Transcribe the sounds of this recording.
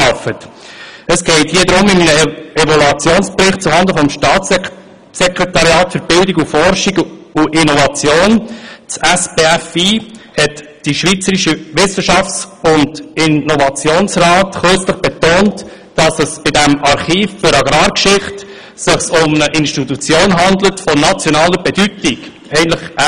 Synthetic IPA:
ɑfət | əsɡ̥ɛɪthiːədɾʊmɪmnəɛvɔlɑt͡sjoːnsbɾɪχt̚t͡suhɑndəfɔmʃtɑːt͡s | sɛkɾɛtɑɾjɑːtfəɾb̥ɪldiɡufɔɾʃiɡuʔɪnɔvɑt͡sjoːnt͡sæsbeæfiːhɛt | d̥iʃʋiːt͡səɾiʃəʋɪsəʃɑft͡sʊndɪnɔvɑt͡sjoːnsɾɑːtχɵt͡sləχb̥ɛtoːnt | d̥ɑsəsb̥ɪdæmɑɾχiːffʏɾɑɡɾɑːɾkʃɪχt | sɪχsʊmnəʔɪnʃtit̪ut͡sjoːnɦɑnd̪lətfɔnɑt͡sjɔnɑːləbɛdytiɡ | ɛɪəntləχʔ

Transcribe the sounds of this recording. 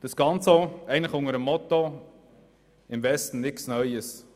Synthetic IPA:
d̥ɑsɡ̥ɑnt͡soɛɪən̩ləχʊŋəɾəmːɔt̪o | ɪmvɛstn̩nɪksnœʏəs

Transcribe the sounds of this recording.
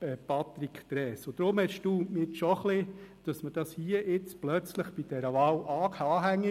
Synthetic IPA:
ɛpɑt̪ɾikʰt̪ɾɛːsʊd̥̪ɾʊmhɛʃtuːmɪtʃɔχlɪd̥ɑsməd̥ɑshiːəʔɪt͡splœt͡sləχb̥id̥ɛɾəʋɑːwʔɑːkɑːɦæŋːi

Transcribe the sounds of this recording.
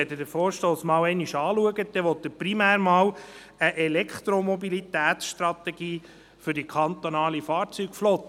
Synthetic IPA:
ɛdədəɾfoːɾʃtoːsmɑːwɛɪniʃɑːluəɡəd̥̪ɛʋɔt̪ːəpɾimæːɾmɑːw | əʔɛlɛkχt̪ɾomɔbilit̪æːt̪sʃtrɑt̪ɛɡiː | fɵɾdikʰɑnt̪onɑːlifɑːɾt͡syɡflɔt̪ː

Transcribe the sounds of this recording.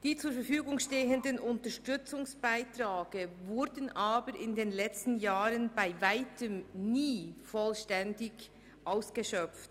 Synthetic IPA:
d̥iːt͡suːɐɾfɛfyːɡʊŋʃteːəndənʔʊntəʃtʏt͡sʊŋsb̥aɪtʁ̥aːɡ̥əvʊɾdən̩ʔaːbəɾʔɪndeːnlɛt͡stn̩jaːʁənbaɪvaɪtʰəmniːfɔlʃtɛndɪç | ʔaʊsɡ̥əʃœp͡ft

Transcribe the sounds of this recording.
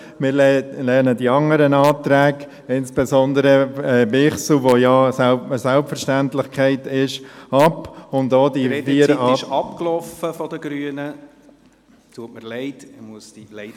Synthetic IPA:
mɪːɾllɛnədiɑŋəɾənɑːt̪ɾæːɡ | ɪnsb̥ɛzɔnd̪əɾəɛːbɪχsl̩ʋojɑːsəsælpfəɾʃtæntlɪχkʰæɪtɪʃɑpʊnd̪oːdifiəɾɪʃɑpklɔfəfɔd̪əɡɾyənə | t̪ʰuətməɾleɪtmuəsd̥ileɪ

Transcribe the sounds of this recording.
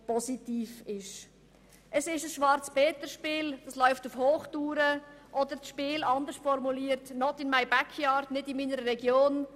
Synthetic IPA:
pɔsitiːfɪʃ | ʔəsɪʃəsʃʋɑɾt͡sb̥ɛːtəʃpɪːld̥ɑslɔʏftufhoːχtuːɾəʔɔdəɾsʃpɪːlɑnd̪əʃtfɔɾmuliːəɾtnɔtɪnmaɪbakʰjɑːɾdnɪdɪnmiːnəɾəɾɛɡjoːn

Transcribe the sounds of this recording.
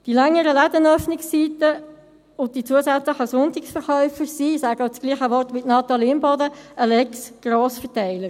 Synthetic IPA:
d̥ilɛŋːəɾəlæd̪ənœfnɪksːiːt̪ə | ʊntdit͡suəsæt͡sləχəsʊnt̪ɪksfəɾχœʏfəɾsisæɡɑʊt͡sɡ̥liːχəʋɔɾtmɪtnɑt̪ɑlimbɔd̪əʔəlɛksɡ̥roːsfətæɪləɾ

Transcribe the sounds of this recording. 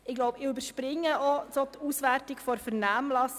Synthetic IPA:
ɪɡlɔʊbɪybəʃpɾɪŋːəʔɔsotʰuːsʋærtɪkfɔɾfɛɾnæːmlɑs

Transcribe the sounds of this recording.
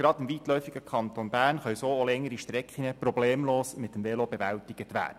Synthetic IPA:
ɡ̥ɾɑdɪmviːtlœʏfiɡəkʰɑnt̪onbæːɾnχœwsoːolɛŋːəɾiʃtɾɛkχinəprobleːmloːsmɪt̪ːəmvɛlobeʋæltiɡət̪ʋæ̰ːdə

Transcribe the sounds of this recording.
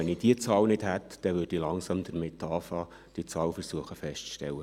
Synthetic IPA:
ɛnid̥iət͡sɑːlnɪd̥̪hæt̪d̥ɛʋʏrd̥ilɑŋsɑmd̪əɾmet̪ʰːɑːfɑː | d̥it͡sɑːlfəɾsuəχəfɛʃtt͡sʃtɛ̰lːə

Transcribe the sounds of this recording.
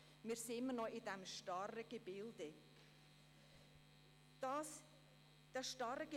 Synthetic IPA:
miːsɪmənɔidɛmʃtɑrəɡ̥ebɪlde | s | d̥ɛʃtɑɾəɡ̥e

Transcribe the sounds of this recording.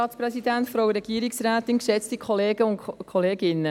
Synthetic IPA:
ɑːtspɾɛsid̪æntfɾoʊəɾɛɡ̥iəɾiksɾæːtɪnkʃɛt͡stikʰχɔleːɡəʊnkʰɔleːɡɪnːə

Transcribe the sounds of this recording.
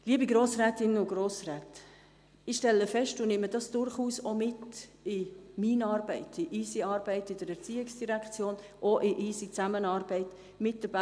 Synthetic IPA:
liəbiɡɾoːsrɛːtɪnʊɡroːsrɛːt | ɪʃtɛlːəfɛʃtʊnɪmːədɑsd̥ʊɾχuːsomɪtɪminɑːɾbɛɪtɪʔiːsiɑːɾb̥ɛɪtɪdəɾɛɾt͡siːɪksd̥iɾɛkʰt͡sjoːn | ʔoʔɪʔisit͡samənɑːɾbɛɪt | mɪt̚d̥əba

